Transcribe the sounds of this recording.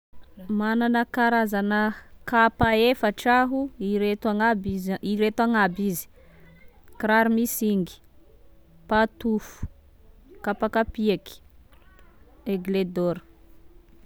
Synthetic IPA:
mananəkaɾazanəkapaefəʈ͡ʂaɦuiɾet̪aŋabiɾet̪aŋabizi̥ | kɾaɾumisiŋɡi̥ | pat̪ufu̥ | kapakapiaki̥ | eɡled̪oɾ̥

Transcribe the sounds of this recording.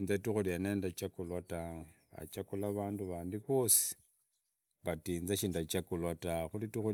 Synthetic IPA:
nzatuxulianeːndat͡ʃakulwata | a̰t͡ʃakulaβaːnduβaːndiβo̞si̥ | βatiːnzaʃiːndat͡ʃakulwataxulitixu

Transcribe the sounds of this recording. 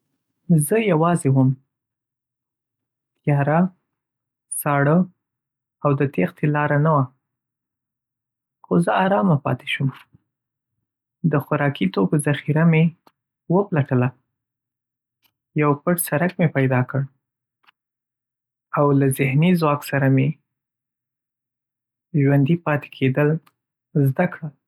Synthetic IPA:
zəjawɑzewəm | jɑɾa | sɑɽə | awd̪ət̪ext̪ʰelɑɾanawa | xozəaɾɑmapɑ̰t̪e̥ʃum | d̪əxʊɾɑkit̪okozaxiɾame | wəplaʈəla | jawpəʈsaɾakmepajd̪ɑkəɽ | awlazɪhnizwɑksaɾame | ʒwand̪ipɑt̪e̥kʰed̪əl | zd̪akɽa

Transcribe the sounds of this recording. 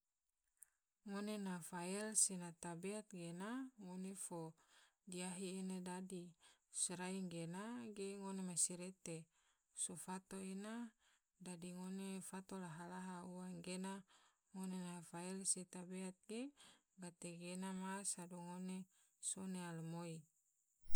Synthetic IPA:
ŋonenafaɛlsenat̪abeat̪̚ɡenaŋonefodiaɦienedadisɾaiŋɡenaɡeŋonemasiɾet̪e | sofat̪oena | dadiŋonefat̪olaɦalaɦauwaŋɡena | ŋonenafaɛlset̪abeat̪̚ɡe | ɡat̪eɡenamasaduŋone | sonealmoi

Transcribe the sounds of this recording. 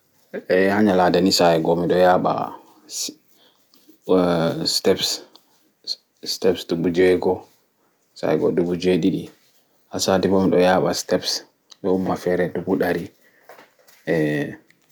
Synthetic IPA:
ɛhaɲaladanisaɛɡɔmiɗɔjaːɓa̰ | stɛps | stɛpsdubud͡ʒɛɡɔ | sa̰ɛɡɔ̰dubud͡ʒeɗiɗi | hasaːtibomiɗɔjaːɓa̰stɛps | ɗɔumːafɛɾɛdubuɗaɾi | ʔɛ

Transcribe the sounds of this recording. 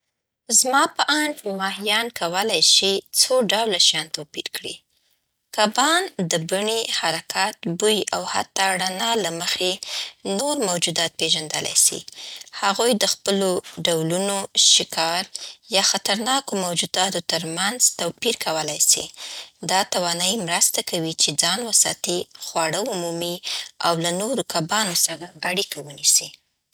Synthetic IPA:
zmɑpəʔaɳfmɑhijɑnkawəlajʃit͡soɖawlaʃjɑnt̪awpḭɾkɽḭ | kabɑnd̪əbaɳihaɾakat̪̚bujiʔawha̰t̪ːɑɽanɑlaməxenoɾmawd͡ʒud̪ɑt̪̚peʒand̪əla̰jsḭhaɣujd̪əxpəloɖawlunoʃɪkʰɑɾjɑxat̪aɾnɑkomawd͡ʒud̪ɑt̪ot̪əɾmanzt̪awpiɾkawəlajsḭd̪ɑt̪awɑnɑimɾəst̪akawit͡ʃed͡zɑnwəsɑ̰t̪ixwɑɽəumumia̰wlanoɾokabɑnosəɾaaɽikawənisi

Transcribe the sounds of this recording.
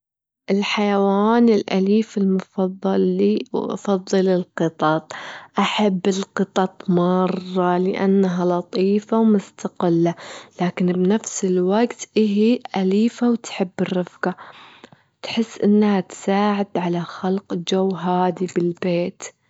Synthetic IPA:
ʔɪlħajawaːnɪlʔa̰liːfɪlmʊfɑðˤːɑlːiwʔɑ̰fɑðˤːɨlɪlqɨt̪ˤɑt̪̚ˤʔaħabːɪlqɨt̪ˤɑt̪ˤmɑrˤːɑlɪʔa̰nːaɦalɑt̪ˤiːfawmʊst̪aqɪlːalaːkɪnbnafsɪlwaɡt̪ʔɪɦiʔaliːfawt̪ħɪbːɪrːɪfqa | t̪ħɪsːʔɪnːhat̪saːʕɪd̪ʕalaxalqd͡ʒawːɦaːd̪ibɪlbeːt̪

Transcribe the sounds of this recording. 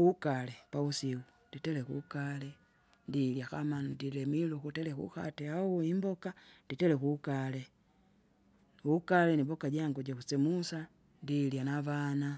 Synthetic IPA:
ukalɛpausiu | nditɛlɛkṵkalɛ | ndiljakamandilɛmilukutɛlɛkṵxa̰tɛauimbɔkanditɛlɛkukalɛ | ukalɛnibɔkaɟaŋɡɔɟakusɛmusa | ndiljanavana

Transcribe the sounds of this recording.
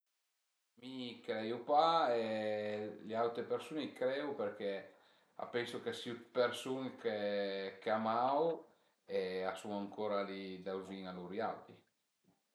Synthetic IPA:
mikɾɛjupae | lealt̪ɾepeɾsuːnikɾɛupeɾk̟e | a̰pɛŋsokesupeɾsunkekeamaw | easuŋaŋkʰoːɾalid̪awziŋaluɾja̰wt̪i

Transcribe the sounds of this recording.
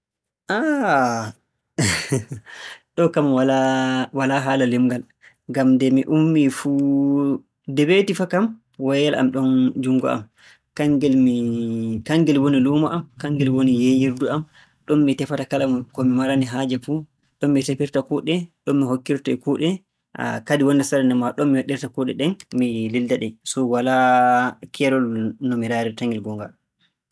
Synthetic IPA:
ʔa | ɗɔkamwalawalaɦaːlalimɡal | ŋɡamdɛmiʔumːifu | dɛbetifakam | wajalʔa̰mɗɔnd͡ʒuŋɡɔ̰ʔa̰m | kaŋɡɛlmikaŋɡɛlwonilumaʔamkaŋɡɛlwonijejiɾduam | ɗɔnmitɛfatakalamkɔmimaɾaniɦaːd͡ʒɛfu | ɗɔnːitepiɾtakuɗɛɗɔmːiɦokːiɾtɔɛkuɗɛ | a̰kadiwɔndɛsaɾɛndɛmaɗɔmmiwaɗːiɾtakuɗɛ̰ɗɛnmilildaɗɛsɔwala | kʰɛɾɔlnɔmiɾaɾitaŋɡɛlɡɔŋɡa̰

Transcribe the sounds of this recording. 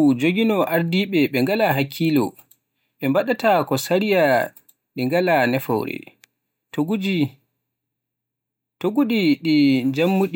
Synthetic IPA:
d͡ʒoɡinɔʔaɾdiɓɛɓɛŋɡalaɦakʰːilɔ̰ | ɓɛmbaɗatakɔsaɾija | ɗiŋɡalanɛfɔ̰wɾɛ̰ | tɡui | toɡuɗiɗid͡ʒamːuɗi

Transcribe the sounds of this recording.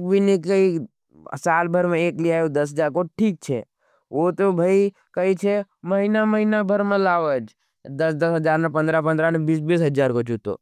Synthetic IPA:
kbʱinikəḭ | saːlbʱəɾmẽeːkliaːjod̪əs̬ɦəd͡ʒaɾkoʈʰiːk̚t͡ʃʰḛ | ot̪obʱəi | kəit͡ʃʰe | məɦinaməɦinabʱəɾmãlaʋəd͡ʒ | d̪əsd̪əsɦəd͡ʒaːɾnapə̃nd̪ɾapə̃nd̪ɾanebisbisɦəd͡ʒaɾkot͡ʃut̪o̰

